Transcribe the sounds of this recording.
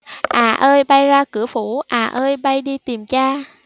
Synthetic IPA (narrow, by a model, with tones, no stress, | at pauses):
ʔaː˨˩ʔəː˧jɓa˧jzaː˧kɨ˧˥əfu˧˩˦ʔaː˨˩ʔəː˧jɓa˧jɗi˧t̪i˨˩mt͡ɕaː˧